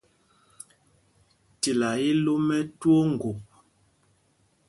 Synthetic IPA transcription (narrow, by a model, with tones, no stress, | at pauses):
ti˨la˨i˦lo˦mɛ˦two˦ŋ̩˨ɡo˨p̚